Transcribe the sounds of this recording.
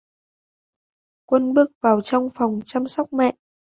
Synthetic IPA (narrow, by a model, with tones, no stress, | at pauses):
kwə˧nɓɨ˦˥ək̚vaː˨˩wt͡ɕɔ˧wŋ͡mfɔ˨˩wŋ͡mt͡ɕa˧msɔ˦˥wk͡p̚mɛ̰˧˨ʔ